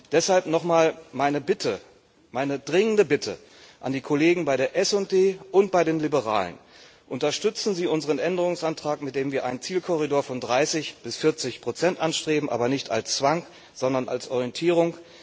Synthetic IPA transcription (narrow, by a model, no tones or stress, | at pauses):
d̥ɛshalpnɔχmaːlmaɪnəbɪtʰə | maɪnədʁɪŋəndəbɪtʰə̰ | ʔa̰ndiːkʰoleːɡŋ̩baɪɾdeːɐʔɛsʊnt̚d̥eːʔʊnt̚b̥aɪdeːnlibəʁa̰ːlə̰n | ʔʊntɐʃtʏt͡sn̩ziːʔʊnzəʁənʔɛndəʁ̞ʊŋsʔantʁ̥aːkmɪt̚d̥eːmviːɐʔa̰ɪnənt͡siːlkʰɔʁidoːɐfɔndʁaɪsɪçb̥ɪsfɪɐt͡sɪçpʁ̥ot͡sɛntʔanʃtʁ̥eːbm̩ʔa̰ːbɐnɪçta̰lst͡sv̥aŋ | z̥ɔndɐna̰lsʔɔʁijɛntʰiːʁ̞ʊŋ